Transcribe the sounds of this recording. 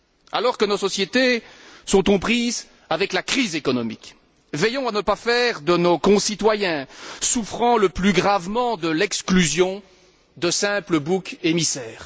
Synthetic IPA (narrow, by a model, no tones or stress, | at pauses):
a̰lɔʁkənosɔsjet̪esɔ̃t̪ɔ̃pχiz | avɛklakχizekɔnɔmik | vɛjɔ̃anəpafɛʁd̪ənokɔ̃sit̪wajɛ̃sufχɑ̃ləplyɡʁavmɑ̃d̪əlɛksklyzjɔ̃ | d̪əsɛ̃pləbukemisɛːʁ